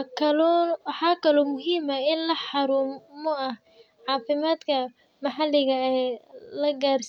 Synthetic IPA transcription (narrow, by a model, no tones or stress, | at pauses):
kʰɐlːwħɑːkʰɐlɔːmʊɦiːmɐɪnlɐħɑɾuːmmɔɐh | ʕɑːfɪmaːd̪kʰɐ | mɑħɑlɪɣɐɛlɐɡaːrs